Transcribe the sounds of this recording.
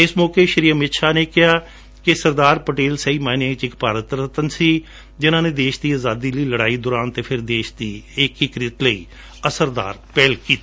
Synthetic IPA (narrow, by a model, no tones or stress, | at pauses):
ɪsmɔːkeːʃəɾiːəmɪt̪ʃaːneːkɪɦaː | kɪsəɾd̪aːɾpəʈeːlsəiːmaːneɪt͡ʃɪkpaːɾət̪ɾət̪ənsiː | d͡ʒɪnãːneːd̪eːʃd̪iːaːzaːd̪iːləiːləɽaːiːd̪oːɾaːnt̪eːpʰɪɾd̪eːʃd̪iːɪkɪkɾɪt̪ləiː | əsəɾd̪a̰ːɾpɛːlkiːt̪ː